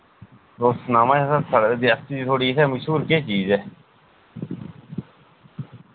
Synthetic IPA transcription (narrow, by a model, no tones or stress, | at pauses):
ɾoːsnaːmãːt͡ʃaːsəsʰəɽd̪iːəst̪iːd͡ʒiːt̪ʰoːɽiːɪsʰɛːməʃɦuːɾkeːt͡ʃiːzɛː